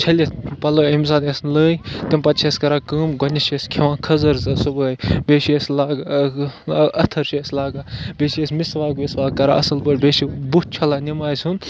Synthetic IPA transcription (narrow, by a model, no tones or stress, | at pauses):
t͡ʃʰɐlʲepɐloːemsaːd̪esnləːjt̪impɐt̪t͡ʃʰeskɐɾaːkəːmɡɔnʲɐʃeskʲʰeʋãːkʰɐzɐɾzɐsubəːjbeːʃieslaːɡ | ɐt̪ʰɐɾʃislaːɡaːbeːʃiesʲmisʋaːɡʋesʋaːkːɐɾa̰ɐ̰sɐlbəːʈʲbeːʃibut̪̚t͡ʃʰɐlaːnimaːjsʲun